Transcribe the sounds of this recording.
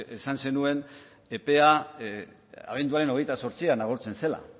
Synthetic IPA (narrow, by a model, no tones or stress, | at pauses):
esanse̞nue̞n | epe̞a | a̰β̞e̞nd̪uaɾe̞no̞ɣ̞e̞jt̪aso̞ɾt͡sianaɣ̞oɾt͡se̞nse̞la̰